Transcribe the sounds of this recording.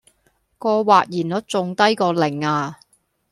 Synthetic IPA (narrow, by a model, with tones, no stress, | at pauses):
kɔː˧waː˨t̚jiː˨˩nlɔː˨˥t͡sʊ˨˧ŋt̪ɐ˥jkɔː˧lɪ˨˩ŋaː˧